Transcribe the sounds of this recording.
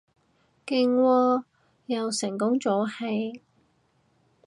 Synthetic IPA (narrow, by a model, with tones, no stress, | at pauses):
kɪ˨˧ŋwɔː˧ | jɐ˨˧wsɪ˨˩ŋkʊ˥ŋt͡sɔː˨˥hɐ˨j